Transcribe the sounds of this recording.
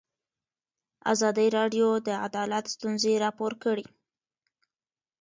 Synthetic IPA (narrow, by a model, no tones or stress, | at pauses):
a̰zɑd̪əɾɑɖjod̪əa̰d̪ɑlat̪st̪unzeɾɑpoɾkəɽi